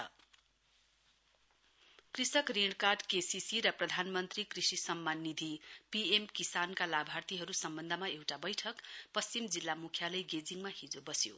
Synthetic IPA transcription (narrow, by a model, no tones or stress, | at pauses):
ʌ̰ | krisʌkriɳkarɖkesisiɾʌprʌd̪ʱanmʌnt̪rikrisisʌmːanːid̪ʱipiemkisankalabʱart̪iɦʌɾusʌmbʌnd̪ʱʌmaewʈabʌjʈʰʌkpʌst͡simd͡zilːamukʰjalʌjɡed͡ziŋmahid͡zobʌsjo̰